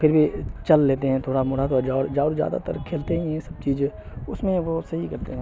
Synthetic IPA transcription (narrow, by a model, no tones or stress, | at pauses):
pʰɪɾbʱit͡ʃɐlːeːt̪eɦɛ̃t̪ʰoːɽamʊːɽat̪ʰoːɾad͡ʒaːʊɽd͡ʒaːɾzja̰ːd̪a̰t̪ɐ̰ɾkʰːeːlt̪eɦɛ̃ɛ̃sɐb̚t͡ʃiːz | ʊsmẽʋoːsɐɦikɐɾt̪eɦɛ̃